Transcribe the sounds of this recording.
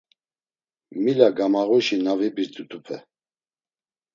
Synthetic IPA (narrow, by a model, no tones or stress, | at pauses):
milaɡamaʁuʃinavibiɾt̪ʼut̪ʰʼupʰɛ